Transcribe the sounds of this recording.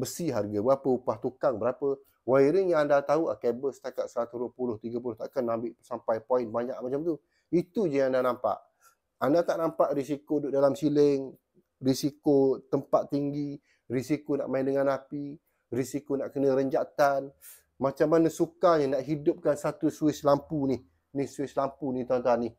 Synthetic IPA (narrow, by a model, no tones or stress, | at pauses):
bəsiɦarɡabəapəupaht̪ukaŋbəɾapə | waiɾɪŋjaandat̪aua̰kebəsə̥t̪akat̪̚səɾat̪uɾuəpulʊht̪iɡəp̬ulʊht̪aʔkanːambɪʔsampajpoɪnbaɲaʔ̚mat͡ʃamt̪u | it̪ud͡ʒəŋandanampa̰ʔ | andat̪aʔnampaʔɾisikodʊʔdalamsiləŋ | risikot̪əmpat̪̚ːiŋɡi | risikona̰ʔmaɪndəŋanapi | risikonaʔkənə̃ɾəɲd͡ʒat̪an | mat͡ʃamːanəsukaɲənaʔɦidʊp̚kansat̪usuɪslampunih | nihsuɪslampunit̪uant̪ani